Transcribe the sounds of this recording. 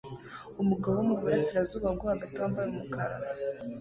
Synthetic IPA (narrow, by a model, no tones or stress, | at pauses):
umuɡaβowumuɡeɾisiɾazuːβabɡwohaɡataːmbaɾumukaɾa̰